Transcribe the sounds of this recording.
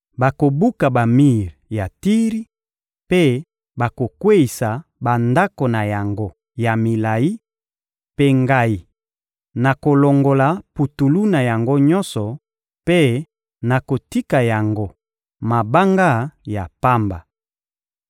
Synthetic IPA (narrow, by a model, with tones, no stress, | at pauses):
ba˨ko˨bu˦ka˨ba˨mi˦ʁja˨ti˦ʁi˦ | pe˦ | ba˨ko˨kwe˦i˨sa˨ba˨nda˦ko˨na˨ja˨ŋɡo˦ | ja˨mi˨la˨i˦ | pe˦ŋɡa˦i˨ | na˨ko˨lo˨ŋɡo˨la˨pu˨tu˨lu˦na˨ja˨ŋɡo˦ɲɔ˦nsɔ˨ | pe˦ | na˨ko˨ti˦ka˨ja˨ŋɡo˦ | ma˨ba˦ŋɡa˦ja̰˨pa˦mba̰˨